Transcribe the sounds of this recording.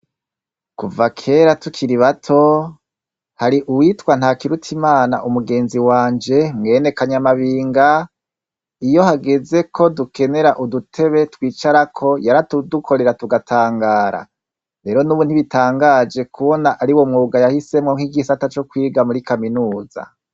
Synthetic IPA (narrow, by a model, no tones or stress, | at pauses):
kuvakʰe̞ːɾatukʰiɾiβatʰo̞ | haɾiʔuwiːtkwan̥hakiɾutʰimaːna̰ʔumuɡe̞ːnziwaːɲd͡ʒe̞mŋe̞ːne̞kaɲamaβiːŋɡa | ijo̞haɡeze̞kʰo̞duke̞ne̞ɾaʔudutʰe̞βe̞twiːt͡ʃaɾakʰo̞jaɾatudukʰo̞ɾe̞ɾatuɡatʰaːŋɡaːɾa̰ | ɾe̞ːɾo̞nuβunhiβitʰaːŋɡad͡ʒe̞kʰuβo̞naʔaɾiwo̞mŋuːɡajahise̞mŋoŋ̥iɡisatat͡ʃo̞kwiːɡamuɾikaminuːza̰